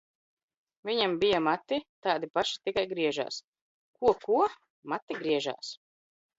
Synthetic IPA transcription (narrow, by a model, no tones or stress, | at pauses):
vʲiɲambijamat̪ːit̪aːd̪ipaʃi̥t̪ikajɡɾiɛʒa̰ːs | kuɔkuɔ | mat̪iɡɾiɛʒa̰ːs